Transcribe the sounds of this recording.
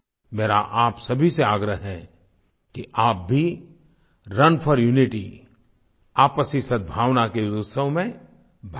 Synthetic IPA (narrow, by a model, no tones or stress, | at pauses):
meːɾa̰ʔaːpsɐbʱiseaːɡɾəɦɦɛ | kiʔaːp̚bʱi | ɾɐnpʰəɾjuːnɪʈi | aːpəsisɐd̪̚bʱaːʋnakeɾʊsəwmẽ | bʱ